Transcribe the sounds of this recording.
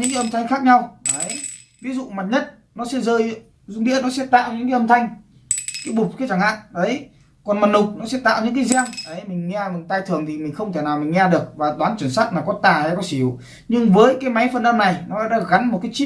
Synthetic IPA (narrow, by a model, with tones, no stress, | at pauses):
ɨ̰˧˥ŋka˨˦ʔə˧mt̪ʰa˧jŋ̟xaː˦˥k̚ɲa˧wɗə˨˦j | vi˨˦zṵ˧˨ma˨˩t̚ɲə˦˥t̚ | nɔ˨˦sɛ̰˧˥zəː˧j | zʊ˧ŋ͡mɗḭ˧˥ənɔ˨˦sɛ̰˧˥t̪a̰ː˧˨wɲɨ̰˧˥ŋkaː˨˦ʔə˧mt̪ʰa˧jŋ̟ | kaː˨˦jɓʊ˨˩k͡p̚kaː˨˦t͡ɕa˧˩ŋha̰ː˧˨nɗə˨˦j | kɔ˨˩nma˨˩nnʊ˨˩k͡p̚nɔ˨˦sɛ̰˧˥t̪a̰ː˧˨wɲɨ̰˧˥ŋk̬aː˨˦jzaː˧ŋɗə˨˦jmï˨˩ŋ̟ŋɛ˧mï˨˩ŋt̪aː˧jt̪ʰɨ˨˩əŋt̪ʰi˨˩mï˨˩ŋ̟xə˧wŋ͡mt̪ʰe˧˩naː˨˩wmï˨˩ŋ̟ŋɛ˧ɗɨ˨˩ək̚vaː˨˩ɗ̪waː˨˦nt͡ɕwnsaː˦˥t̚maː˨˩kɔ˨˦t̪aː˨˩ə˨˦kɔ˨˦si˧˩˨w | ɲɨ˧ŋvəː˨˦jkaː˨˦jma˨˦jfə˨˩nʔə˧mna˨˩jnɔ̰ː˨˦˧ɗaː˧˥ɣa˨˦nmo˨t̚kaː˨˦jt͡ɕi˦˥